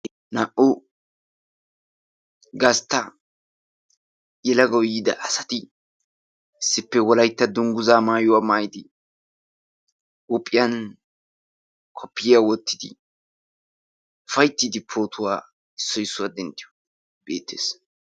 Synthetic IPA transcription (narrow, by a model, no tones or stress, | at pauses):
naːʔʊ | ɡɐst̪ːɐ | jɛlɐɡɐwjiːd̪ɐʔɐsɐt̪ɪ | ɪsːɪpːɛwɔlɐjt̪ːɐd̪ʊŋɡʊzaːmaːjʊwaːmaːjɪd̪ɪ | wʊpʼːɪjɐn | kʰɔpːɪawɔt̪ːɪ̥d̪ɪ̰ | ʊfɐjt̪ːid̪ɪpʰo̞ːt̪ʰʊwaː | ɪsːɔjɪsːʊwad̪ɛnd̪ɪjɔ̥ | b̥eːt̪ːḛːs